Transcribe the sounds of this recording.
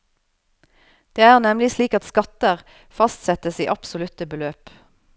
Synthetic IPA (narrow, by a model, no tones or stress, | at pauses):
d̪̥eːæːʁnɛmlɪsliːkɑt̪skɑt̪əʁ | fɑst̪sɛt̪əsiːʔɑpsʊlʉt̪əbəløːp